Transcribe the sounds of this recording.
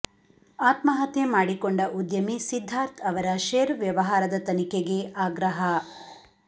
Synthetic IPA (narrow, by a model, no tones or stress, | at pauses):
aːt̪mɐɦɐt̪jemaːɽikoɳɖɐʔud̪jɐmisid̪ʱːaːɾt̪ʰɐʋɐɾɐʃeːɾʋjɐʋɐɦaːɾɐd̪ɐt̪ɐnikeɡeaːɡɾɐɦɐ